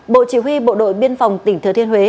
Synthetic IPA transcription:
ɓo̰˧˨t͡ɕi˧˩ɦwi˧ɓo̰˧˨ɗo̰˧˨jɓi˧ənfa˨˩wŋ͡mt̪ï˧˩ŋt̪ʰɨ˨˧ət̪ʰi˧əhwe˨˦

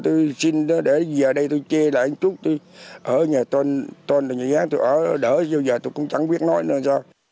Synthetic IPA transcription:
t̪o˧jsi˧nɗɗe˧˩zəː˨˩ɗə˧jt̪u˧jt͡ɕɛ˧la̰ː˨ʔa˧˨˦t͡ɕu˦˥t̚t̪u˧jʔəː˧˩ɲaː˨˩t̪wə˧nt̪əː˧nlaː˨˩ɲɨ̰˨˩ɣaː˨˦t̪u˧jʔəː˧˩ɗəː˧˩zə˧zəː˨˩t̪o˧kʊ̰˧˥˦ŋ͡mt͡ɕa˧˩˦ŋɓi˦˥ət̚nɔ˨˦jn˧˨saː˧w

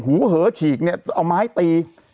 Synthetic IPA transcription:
huː˩˦ɦɤː˨˩˦t͡ɕʰiː˨˩k̚ni˥˩ɐʔa˧wmaː˦˥jt̪iː˧

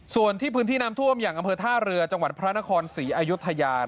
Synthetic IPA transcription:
su˨˩ənt̪ʰiː˥˩pʰɯː˦˥nt̪ʰiː˥˩na˦˥mt̪ʰu˥˩əmjaː˨˩ŋʔa˧mpʰɤː˧t̪ʰaː˥˩ɾɯ˧ɐt͡ɕa˧ŋwa˨˩t̪̚pʰɾa˦˥na˦˥kʰɔː˧nsiː˩˦ʔaː˧ju˦˥t̪ʰːa˧jaː˧

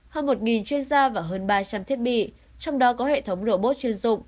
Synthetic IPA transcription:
həː˧nmo˨˩t̚ŋi˨˩nt͡ɕwi˧ənzaː˧vaː˨˩ɦəː˨˧nɓaː˧t͡ɕa˧mt̪ʰi˦˥ət̚ɓḭ˧˨ | t͡ɕɔ˧wŋ͡mɗɔ˨˦kɔ˨˦hḛ˧˨t̪ʰə˨˦wŋ͡mzə̰˧˩ɓo˦˥t̚t͡ɕi˧ənzʊ̰˧˨ŋ͡m

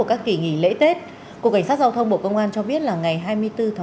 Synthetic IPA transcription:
əkaː˦˥kki˧˩ŋḭ˧˩lḛ˧˥t̪e˦˥t̚ | ku˨˩ka˧˩jsa˦˥t̚za˧wt̪ʰə˧wŋ͡mɓo̰˧˨kə˧wŋ͡mʔaː˧nt͡ɕɔ˧ɓi˦˥ət̚laː˨˩ŋa˨˩jɦaː˧jmɨ˧əjt̪ɨ˧t̪ʰa˨˦

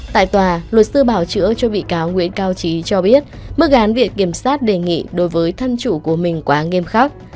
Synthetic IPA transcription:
t̪a̰ː˧˨jt̪waː˨˩lwə˨˩t̚sɨ˧ɓaː˧˩wt͡ɕɨ̰˧˥ət͡ɕɔ˧ɓḭ˧˨kaː˨˦wŋwḭ˧˥ənkaː˧wt͡ɕi˨˦t͡ɕɔ˧ɓi˦˥ət̚mɨ˦˥ək̚ʔaː˨˦nvḭ˧˨ən̚ki˧˩əmsaː˦˥t̚ɗe˨˩ŋḭ˧˨ɗo˨˦jvəː˨˦jt̪ʰə˧mt͡ɕu˧˩ku˧˩əmï˨˩ŋ̟kwaː˨˦ŋe˧mxa˦˥k̚

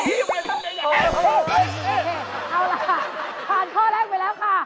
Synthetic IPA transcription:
e˧˩ʔa˧wla˧˩˧ | pʰaː˧˩nk̪ʰɔː˥˩lɛː˥˩k̚pa˧jlɛː˦˥wkʰa˥˩

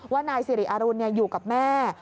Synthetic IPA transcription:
waː˥˩naː˧jsi˨˧˩ɾi˨˦˩ʔa˧ɾu˧nːi˥˩ɐjuː˨˩ka˨˩p̚mɛː˥˩

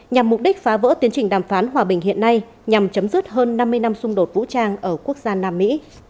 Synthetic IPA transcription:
ɲa˨˩mːʊ˨˩k͡p̚ɗi˦˥k̟̚faː˨˦və̰˧˥t̪i˨˦ənt͡ɕŋ̟ɗaː˨˩mfaː˨˦nɦwaː˨˩ɓï˨˩ŋ̟ɦḭ˧˨ənːa˧j | ɲa˨˩mt͡ɕə˨˦mzɨ˦˥t̚ɦəː˧nːa˧mːɨ˧əjna˧msʊ˧ŋ͡mɗo˨˩t̚vṵ˧˥t͡ɕaː˧ŋʔəː˧˩ku˦˥ək̚zaː˧naː˧mːḭ˧˥

